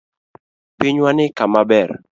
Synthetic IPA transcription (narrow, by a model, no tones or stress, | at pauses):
piɲwanɪkamabɛr